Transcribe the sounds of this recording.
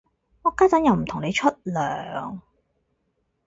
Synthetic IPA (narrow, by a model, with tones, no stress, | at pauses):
ŋɔː˨˧kaː˥t͡sɐ˨˥njɐ˧wm̩˨˩t̪ʰʊ˨˩ŋne˨˧jt͡ʃʰɵ˥t̚lœː˨ŋ